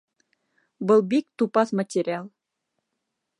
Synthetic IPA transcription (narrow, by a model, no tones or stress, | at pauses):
bɤ̆lˠbik̚t̪upɑsmatʲeɾʲɪɑlˠ